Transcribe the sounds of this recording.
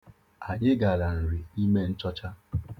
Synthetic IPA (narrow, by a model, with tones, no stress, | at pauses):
a˨ɲɪ˦ɡa˨ɾa˨n̩˨ɾi˨i˦me˦n̩˦t͡ʃɔ˦t͡ʃa˦